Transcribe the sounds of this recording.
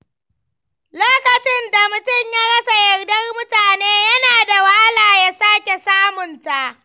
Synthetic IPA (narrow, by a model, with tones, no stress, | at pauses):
loː˦kɐ˨t͡ʃɪ˦nda˨mʊ˨tʊ˦˨ɲjaː˦ɽɐ˦sa˨jɐ˨rdɐ˦rmʊ˦taː˨neː˦jɐ˦naː˨da˨wa˦laː˨ja˦saː˦kʲe˨saː˦mʊ˨nta˦˨ʔ